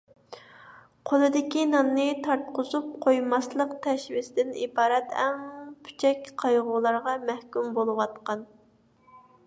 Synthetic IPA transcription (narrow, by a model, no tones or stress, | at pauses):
qʰolˠɨd̪ɪkʲinɑnːɨt̪ʰɑɾt̪qʊzup̚qʰojmɑslˠəqt̪ʰɛʃvɪsɪd̪ɪnibɑːɾɛt̪ɛ̰ŋpʰy̥t͡ʃʰɛkʲqʰɑjʁʊlˠɑɾʁɑmæhkʲymbolˠɨwɑt̪qɑn